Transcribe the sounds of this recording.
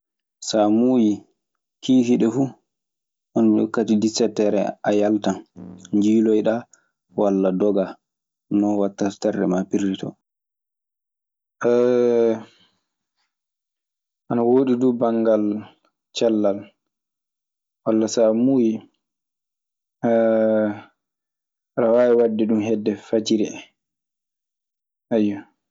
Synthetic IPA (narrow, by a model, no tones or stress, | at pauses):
samuːji | kʰiːhiɗɛfu | ʔɔn̰kːatidisɛtɛɾɛ̰ajaltanɲd͡ʒiːlɔjɗa | walːadɔɡa | nɔwatːḁtarɛ̰mapiɾitɔ̰ | ʔɛ | ʔanawoːɗiduːbaŋɡal | t͡ʃalːal | walːasamuji | ɾawaːwɛwadːɛɗumɦɛdːɛfad͡ʒiɾiɛ | ʔajːɔ